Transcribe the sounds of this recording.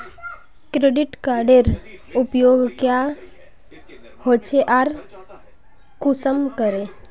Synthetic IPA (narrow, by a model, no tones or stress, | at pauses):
kɾeɖɪʈkaːɾɖeɾupjoːɡkja | hoːt͡ʃʰeʔaɾ | kusəmkəɾe